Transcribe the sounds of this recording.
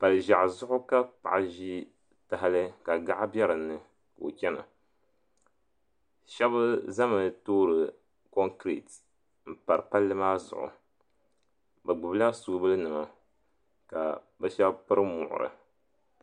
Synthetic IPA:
pa˨lɨ˨ʒa˨ʔzʊ˦ʔʊ˦ka˦pa̰˨ʔa˨ʒi˦ | ta˨ɦa˦lɨ˦ka˨ɡa˦ʔa˦bjɛ˦ɾɨ˨nːɨ˨ | ko̰˨kɛ˦na̰˨ | ʃɛ˦bɨ˦za˦mɨ˨toː˦ɾɨ˨ | ko˦ŋkɾḭ˨t | m̩˨pa˨ɾɨ˨pa˦lːɨ˦maː˦zʊ̰˨ʔʊ̰˨ | bɨ˨ɡ͡bʊ˨bla˦su˨ɡbɨ˦lɨ˦nɨ˨ma˨ | ka̰˨ | bɛ˦ʃɛ˦bpɨ˦ɾɨ˦mʊ̰˨ʔʊ̰˨ɾɨ̰˨

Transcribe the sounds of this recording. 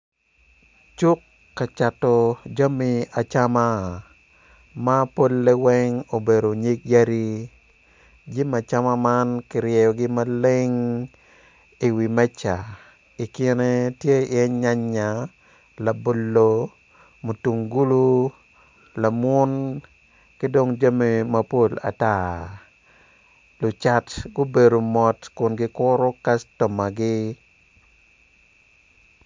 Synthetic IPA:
t͡ʃu˦kː | a˨t͡ʃa˨tɔ˨d͡ʒa˦mia˨t͡ʃa˦ma˦ | ma˦po˦lːe˦wɛ˦ŋo˨be˨do˨ɲi˦k̚ja˦ɾi˦ | d͡ʒi˦ma˨t͡ʃa˦ma˦ma˦nkɪ˨ɾjɛ˨jɔ˨ɡɪ˦ma˦le˦ŋ | i˨wi˨mɛ˦t͡ʃa˨ | i˨kɪ˦ne˦tje˦i˨ɛ˦ɲa˦ɲːa˨ | la˨bo˨lːo | mo˨tu˨ŋɡu˦lu˦ | la˨mwʊ˦n | kɪ˦do˦ŋd͡ʒa˦mi˨mɐ˦po˦la̰˨ta˦ | lʊ˨t͡ʃa˨tɡʊ˦be˨do˨mɔ˨tkʊ˨nɡɪ˦kʊɾʊ˦ka˦stɔ˨ma˨ɡɪ˦

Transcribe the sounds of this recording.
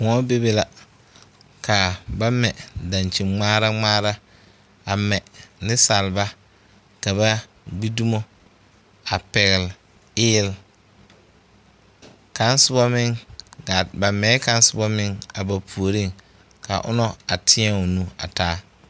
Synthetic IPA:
kʊ̃˨ɔ˦be˦be˦la˨ | ka˨ba˦mɛ˨da˨nt͡ʃi˨mŋ͡maː˦ɾa˦ŋ͡maː˦ɾa˦ | a˨mɛ˨nɪ˦sa˨lba˦ | ka˨ba˦ | ɡ͡bi˦du˦mo˦ | a˨pɛ˨ɣɪ˨l | ɪː˦l | ka˦nsʊ˦bɔ˦mɪ˦ŋa˨ba˨mɛː˨˦ka˦n˦sɪ˦bɔ˦mɪ˦ŋa˨ba˨pʰu˨o˨ɾi˦˨ŋ | ka̰˨ʔʊ̰˦nɔ˦a˨tʰɪ˦ɛ˦o˨nu˦a̰˨taː˦

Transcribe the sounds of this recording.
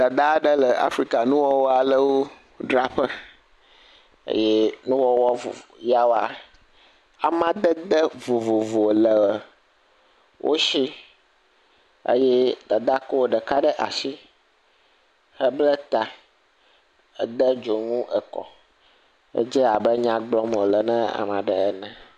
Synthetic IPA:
d̪a˨d̪a˦ɖə˦lə˨a̰˦fɾi˦ka˨nũ˦wɔ˦wɔ˦a˨lə˦wo˦ | ɖɾa˦ɸə˦ | ə̰˦jɛ˦nũ˦wɔ˦wɔ˦vo̰˨ja˦wa˨ | a˨mã˦d̪ə˦d̪ə˦vo˨vo˨vo˨lə˨wə˨ | wʔo̰˦ʃi˦ | ḛ˦jɛ˦d̪a˨d̪a˦ko˦wo˦ɖɛ˨ka˦ɖɛ˦ʔa̰˨ʃi˦ | hə˦blɛ˦t̪a˨ | ə̰˨d̪ə˦d͡ʒo˨ŋũ˦ʔɛ˨kɔ̰˨ | ḛ˦d͡ʒɛ˦a˨bɛ˦ɲã˦ɡ͡blɔ˦m˨o˨lɛ˨nɛ̃˦a̰˨mã˨ɖɛ˨ɛ˦nɛ̃˨

